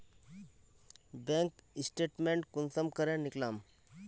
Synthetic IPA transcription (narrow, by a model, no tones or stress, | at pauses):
bẽŋkisʈeʈmeɳʈkunsəmkəɾẽnɪklam